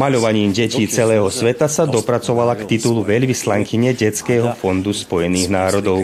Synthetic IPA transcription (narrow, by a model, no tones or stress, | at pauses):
maʎɔʋaɲiːmɟɛciːt͡sɛlɛːɦɔsʋɛt̪asad̪ɔpɾat͡sɔʋalakt̪it̪uluʋɛʎʋislaŋkiɲɛɟɛt͡skɛːɦɔfɔnd̪uspɔjɛniːɣnaːɾɔd̪ɔʊ